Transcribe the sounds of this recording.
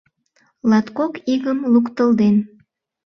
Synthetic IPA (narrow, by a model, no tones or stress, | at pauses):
lɑt̪kokiɣəmlukt̪əld̪en